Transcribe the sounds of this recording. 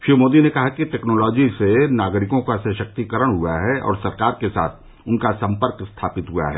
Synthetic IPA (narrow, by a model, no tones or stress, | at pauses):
ʃimoːd̪inekɐɦakiʈɛːknɔːlɔːd͡ʒisenaːɡɾɪkõkasɛʃɐk̚t̪ikəɾəɽ̃ɦuaɦɛʔɔ̰ːɾsɐɾkaːɾkesa̰ːt̪ʰ | ʊnkasɐ̃mpəɾkst̪ʰaːpɪt̪ɦua̰ɦɛ̰ː